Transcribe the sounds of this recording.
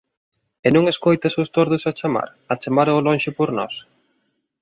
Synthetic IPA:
enũŋeskojt̪ɐsʊst̪oɾðʊsat͡ʃama̰ɾ | ɐt͡ʃamaɾolonʃɪpoɾnɔ̰s

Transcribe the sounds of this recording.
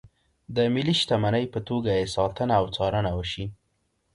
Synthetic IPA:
d̪əmɪliʃt̪amanəjpət̪oɡajesɑt̪ənaːwt͡sɑɾənawəʃi

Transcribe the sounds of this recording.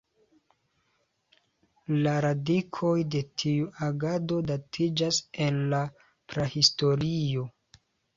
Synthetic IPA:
laɾadikʰo̞jde̞tʰiuʔaɡado̞datʰid͡ʒase̞nla | pɾehisto̞ɾio̞

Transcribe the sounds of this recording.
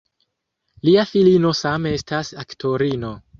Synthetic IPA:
liafilino̞samee̞stasaktʰo̞ɾino̞

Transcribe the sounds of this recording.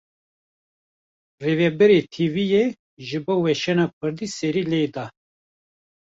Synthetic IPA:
revɛbɛɾet̪ʰivije | ʒɨbowɛʃɛnɑk̚ʰɨɾd̪isɛɾiled̪ɑ

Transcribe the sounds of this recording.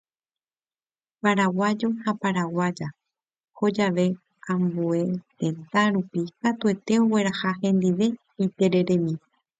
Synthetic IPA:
paɾawad͡ʒo̞hapaɾawad͡ʒa | ho̞d͡ʒaʋe̞ | ãmbue̞t̪e̞nt̪aɾupikat̪ue̞t̪e̞owe̞ɾahahẽ̞nd̪iʋe̞ | it̪e̞ɾe̞ɾe̞mĩ

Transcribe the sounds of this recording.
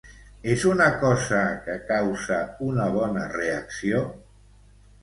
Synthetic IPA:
ezunakɔzakəkawzaunaβ̞ɔnəreaksio

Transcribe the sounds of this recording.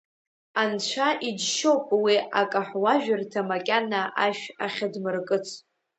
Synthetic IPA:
ant͡ɕʷʰaʔid͡ʒʃowpʼwiʔakʼaħwaʒᶣartʰamakʲʼanaʔaʃaχʲadmɨrkʼɨt͡sʰ

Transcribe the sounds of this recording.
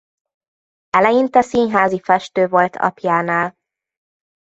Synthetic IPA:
ɛlɛjint̪ɛsiːnɦaːzifɛʃt̪øːvo̞lt̪ʰɒ̰pjaːnaːl

